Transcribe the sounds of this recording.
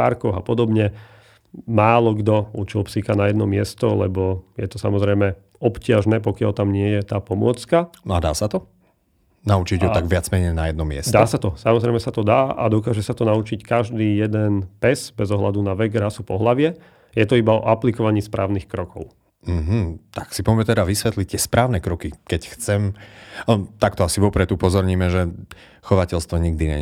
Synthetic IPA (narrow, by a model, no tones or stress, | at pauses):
a̰ɾkɔɣapɔd̪ɔbɲɛ | maːlɔɡd̪ɔut͡ʃilˠpsikanajɛd̪nɔmɪɛst̪ɔlɛ̰bɔjɛt̪ɔsa̰mɔzɾɛjmɛ | ɔpcɪaʒnɛːpɔkɪalt̪amɲɪɛjɛt̪aːpɔmʊɔt͡skanɔad̪a̰ːsat̪ɔ | naut͡ʃiɟɦɔt̪aɡʋɪad͡zmɛɲɛjnajɛd̪nɔmɪɛ̰st̪d̪aːsat̪ɔsamɔzɾɛɪmɛsat̪ɔd̪aːʔa̰d̪ɔkaːʒɛsat̪ɔnaut͡ʃickaʒd̪iːjɛd̪ɛnpɛzbɛzɔɦlad̪unaʋɛɡɾasupɔɦlaʋɪɛ | jɛt̪ɔibaɔ̰ʔaplikɔʋaɲiːspɾaːʊniːxkɾɔkɔʊ | m̩ɦm̩t̪aksipɔmmɛt̪ɛd̪aʋisʋɛt̪lic̚t̪ɪɛspɾʔaːʊnɛkɾɔkikɛcxt͡sɛm | t̪akt̪ɔasiʋɔpɾɛt̪upɔzɔɾɲiːmɛʒɛ | xɔʋacɛlst̪ʋɔɲiɡd̪iɲɛ̰